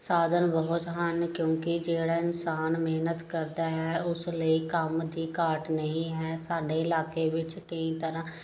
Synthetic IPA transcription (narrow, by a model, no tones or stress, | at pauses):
saːd̪ʱənbəɦʊt̪ɦənkjõːkid͡ʒeːɽaɪnsaːnmeɦnət̪kəɾd̪aɦɛʊsləikəmd̪ikaːɾʈnəɦĩɦɛːsaːɖeɪlaːkeʋɪt͡ʃkəĩt̪əɾãː